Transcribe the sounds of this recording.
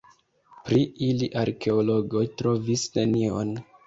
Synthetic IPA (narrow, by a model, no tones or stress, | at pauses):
pɾiiliʔaɾke̞olo̞ɡo̞jtɾo̞visne̞nio̞̰n